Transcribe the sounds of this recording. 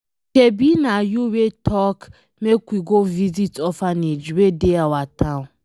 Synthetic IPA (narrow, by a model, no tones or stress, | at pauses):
kebinajuwetʰɔk | mekʷiɡovizitɔfaned͡ʒiwedeawataʊ̃